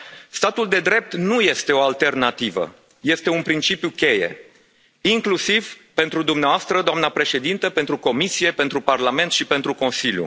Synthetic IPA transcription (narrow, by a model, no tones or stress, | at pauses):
st̪at̪uld̪e̞d̪ɾe̞p̚t̪nuje̞st̪e̞o̞alt̪e̞rnat̪ivə̰ | je̞st̪e̞unpɾint͡ʃipjukʲe̞je̞̰ | iŋklusivpe̞nt̪ɾud̪umneavast̪ɾəd̪oamnəpɾe̞ʃe̞d̪int̪əpe̞nt̪ɾuko̞misije̞pe̞nt̪ɾuparlame̞nt̪ʃipe̞nt̪ɾuko̞nsiljṵ